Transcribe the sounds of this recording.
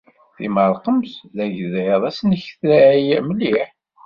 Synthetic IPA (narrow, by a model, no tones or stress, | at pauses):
θḭməɾˤqəmsðæʝðæjðˤæsnəçθlæʕjæməliħ